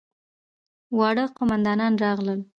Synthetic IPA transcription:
wɑɽəqʊmand̪ɑnɑnɾɑɣləl

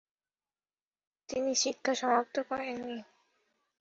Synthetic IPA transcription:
t̪iniʃikʰːaʃɔmap̚t̪okɔɾenːi

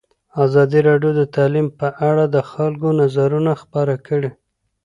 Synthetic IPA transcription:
azɑd̪iɾɑɖjod̪ət̪ɑlimpəʔaɽad̪əxalɡonazaɾunaxpəɾakəɽe

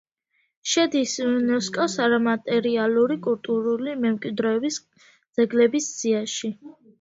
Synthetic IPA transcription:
ʃɛd̪isnɔskʼɔsaɾamat̪ʼɛɾialuɾikʼult̪ʼuɾulimɛmkʼwid̪ɾɛɔbis | d̪z̥ɛɡlɛbisz̥iaʃi

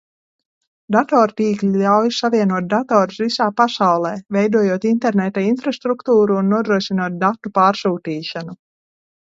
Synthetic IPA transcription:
d̪at̪ɔːɾt̪iːklʲiʎʲawjsavʲiɛnuɔt̪̚d̪at̪ɔːɾsvisaːpasawlˠɛːvɛjd̪uɔjuɔt̪int̪ɛɾnet̪ainfɾast̪ɾukt̪uːɾuːnːuɔd̪ɾuɔʃinuɔt̪̚d̪at̪ːupaːɾsuːt̪iːʃanu

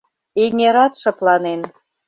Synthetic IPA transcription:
eŋeɾɑt̪ʃɤ̆plɑnen

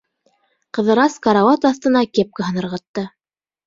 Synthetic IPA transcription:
qɤ̆ðɤ̆ɾɑskɑɾawɑt̪ɑθt̪ɤ̆nɑkep̚kɘɦɤ̆nɤ̆ɾʁɑt̪ːɤ

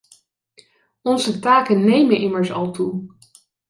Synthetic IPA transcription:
ɔnzətaːkənːejmənʔɪməɹsɑ̰lˠtu

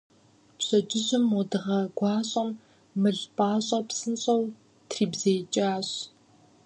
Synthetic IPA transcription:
pɕɐt͡ʃʼɪʑɨmɔdɨʁɐɡʷɑːɕʼɐmː | ɨɮpʼaːɕʼɐpsɨnɕʼɐw | tʰriːbzeːt͡ʃʼaːɕ

